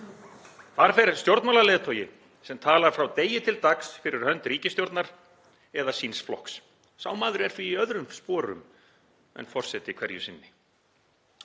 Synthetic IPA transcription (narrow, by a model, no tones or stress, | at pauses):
θaɾ̥fɛɾst̪jowɾt̪malaleːðt̪ʰɔːjɪ | sɛmt̪ʰaːlaɾ̥fɾawt̪eːjɪt̪ʰɪlt̪aksfɪɾɪɾ̥hœnt̪ɾiːcɪst̪jowɾt̪naɾ̥ | ɛðasinsflɔ̰hks | sa̰ːwmaːðɾɪɛɾ̥θviːœðɾʏmspɔːɾʏ̰m | ɛ̰nfɔr̥sɛt̪ɪkʰv̥ɛɾjʏsɪnːɪ